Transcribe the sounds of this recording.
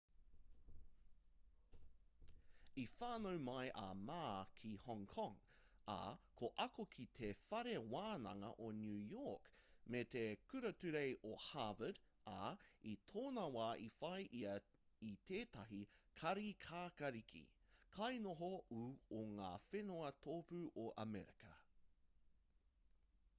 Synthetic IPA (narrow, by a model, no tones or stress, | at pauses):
ifaːnowmɐjʔɐ̰maːkʰihɔŋkʰɔŋ | a̰kʰoʔɐkokʰit̪ʰefɐɾewaːnɐ̰ŋɐ̰ʔonjʉːjɔkmet̪ekʰʉɾɐtʉɾejʔohavəd | aitʰoːnɐwaːʔifɐjʔiɐitʰeːtɐɦikʰɐɾikʰaːkɐɾikʰḭ | kʰɐjnoɦouoŋaːfenoɐtʰoːpʉʔoʔɐ̰mɛɾikɐ